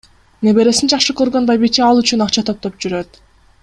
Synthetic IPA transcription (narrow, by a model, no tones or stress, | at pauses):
ne̞be̞ɾe̞sind͡ʒɑχʃɯkøɾɡø̞nbajbit͡ʃiɑlˠyt͡ʃynɑqt͡ʃʰɑt̪ʰo̞p̚t̪o̞p̚d͡ʒyɾø̞t̪